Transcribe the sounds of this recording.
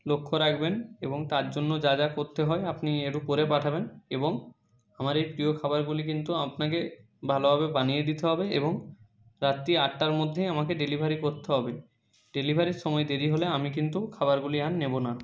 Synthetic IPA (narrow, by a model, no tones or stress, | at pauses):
lokʰːoɾakʰbeneboŋt̪aɾd͡ʑonːod͡ʑad͡ʑakoɾt̪eɦɔeapnieʈupoɾepaʈʰabeneboŋ | amaɾejpɾiokʰabaɾɡulikint̪uapnake | bʱalobʱabebanijed̪it̪eɦɔbeḛboŋ | ɾat̪ːiaʈːaɾmod̪ʱːejamakeɖelibʱaɾikoɾt̪eɦɔbe | ɖelibʱaɾiɾʃɔmɔed̪eɾiɦoleamikint̪ukʰabaɾɡulianːebona